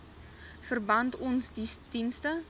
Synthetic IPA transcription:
fərbɐntɔnsdisdinstə

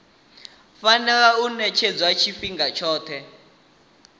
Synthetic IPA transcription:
fanɛlaunɛt͡ʃʰed͡zwat͡ʃʰifiŋɡat͡ʃʰɔːtʰɛ

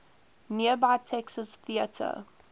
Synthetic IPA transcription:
niəbaɪtʰɛksəsθiətʰə̰

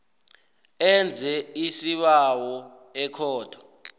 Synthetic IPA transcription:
ɛnd͡zʱɛisiɓawɔ | ɛkʰɔːd̥ʰʱɔ̥

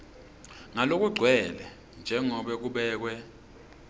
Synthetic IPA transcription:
ŋalok̬uɡ͡ǀʱwɛlɛ | nd͡ʒʱɛŋɔɓɛk̬uɓɛːk̬wɛ

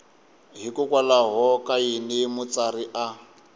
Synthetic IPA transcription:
ɦikʊkwalaɦɔkainimʊt͡sariʔa

